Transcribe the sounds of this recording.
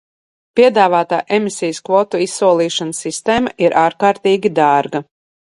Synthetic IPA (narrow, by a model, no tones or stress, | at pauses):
pʲiɛd̪aːvaːt̪aːʔemisijskvɔt̪uisːuɔlˠiːʃansːist̪eːmaʔiɾʔaːɾkaːɾt̪iːɡʲid̪aːɾɡɐ